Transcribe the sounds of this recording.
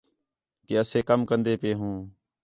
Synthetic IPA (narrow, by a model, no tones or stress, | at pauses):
keːəsẽːkəmkənd̪eːpeːɦũː